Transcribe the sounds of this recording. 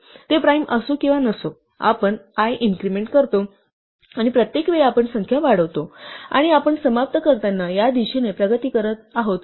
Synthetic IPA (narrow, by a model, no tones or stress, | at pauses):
t̪epɾajmʔəsokĩʋanəso | a̰pəɳajʔiŋkɾimeɳʈkəɾt̪o | aɽ̃ipɾət̪jekʋeɭapəɳsəŋkʰjaʋaɽ̤əʋt̪oa̰ɽ̃iapəɳsəmap̚t̪əkəɾt̪anːajad̪iɕenepɾəɡət̪iːkəɾət̪aɦot̪